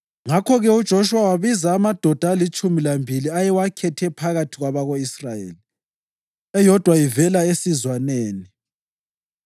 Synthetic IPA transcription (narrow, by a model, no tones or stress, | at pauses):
ŋakʰɔɣɛud̥ʒ̥ʱoʃuwawaβizaːmad̥ʱɔd̥ʱaalit͡ʃʼumilambʱiliajɛwakʰɛtʰɛpʰaɣatʰiɣwaβaɣoisrajḛːli | ɛjɔd̥ʱwajivɛlaesizwaneːni